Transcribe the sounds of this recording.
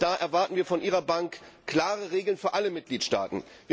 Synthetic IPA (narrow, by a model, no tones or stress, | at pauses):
d̥aːʔɛɐvaɐtn̩viːɐfɔnʔiːʁɐbaŋkkl̥aːʁəʁeːɡl̩nfyːɐʔaləmɪt̚ɡ̥liːtʃta̰ːtn̩ | vviː